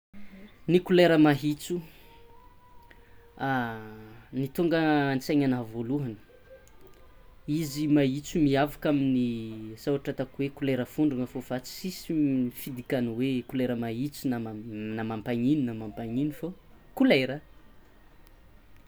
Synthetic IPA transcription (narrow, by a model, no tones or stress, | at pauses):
nikuleɾəmaɦit͡su | a | nit̪uŋɡəant͡seɲanavoluɦanə̥ | izimait͡sumiavakaminizawaʈ͡ʂat̪akuwekuleɾəfuɳɖ͡ʐuŋəfovat͡si̥sisifid̪ikanwekuleɾəmaɦit͡sunanamampaɲininamampaɲinifokuleɾə